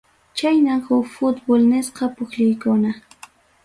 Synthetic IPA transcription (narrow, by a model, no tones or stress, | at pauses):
t͡ʃajnaŋhʊfʊt̪bʊlnesqɑpʊkʎʊjkʊna